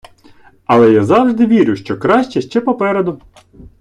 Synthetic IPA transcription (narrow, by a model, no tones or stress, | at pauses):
ɐlˠɛjazɑwʒd̪ɪʋʲiɾʲʊʃt͡ʃɔkɾɑʃʲt͡ʃɛʃt͡ʃɛpɔpɛɾed̪ʊ